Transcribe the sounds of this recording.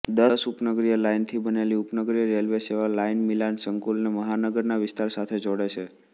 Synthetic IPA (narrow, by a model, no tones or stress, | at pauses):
d̪əsupnəɡɾijəlaint̪ʰibəneliupnəɡɾijəɾelʋeseʋalainmilansəŋkulneməɦanəɡəɾnaʋɪst̪aɾsat̪ʰed͡ʒoɽet͡ʃʰe